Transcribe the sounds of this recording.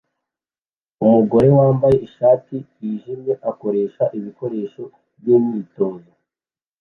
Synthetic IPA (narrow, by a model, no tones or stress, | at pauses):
umuɡo̞ɾe̞waːmbaje̞ʔiʃaːti | iːʒimɲe̞ʔako̞ɾe̞ːʃaʔiβiko̞ɾe̞ːʃo̞ | bjuːmɲiːto̞ːzo